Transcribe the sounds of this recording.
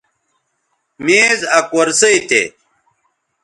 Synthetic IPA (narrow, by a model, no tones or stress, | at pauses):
meːzɐkwɐɾsɐit̪ʰḛ